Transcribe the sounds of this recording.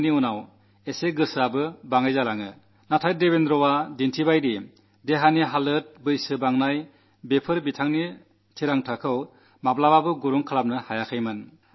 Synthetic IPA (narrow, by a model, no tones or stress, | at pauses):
niunaw | eseɡɯsɯabɯbaŋajzalaŋɯ | natʰajdeβendɾɔwadintʰibajɾi | deɦaniɦalɯt̚bɯjsɯbaŋnaj | bepʰɯɾbitʰaŋni | tʰiɾaŋtʰakʰɯw | mablawabɯɡuɾuŋkʰalap̚nɯhajakʰɯjmɯn